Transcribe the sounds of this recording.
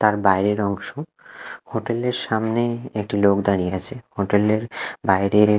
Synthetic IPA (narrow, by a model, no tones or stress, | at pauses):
t̪aɾbajɾeɾɔŋʃo | hoʈeleɾʃamneek̚ʈilokd̪aɾijeat͡ɕʰehoʈeleɾbajɾe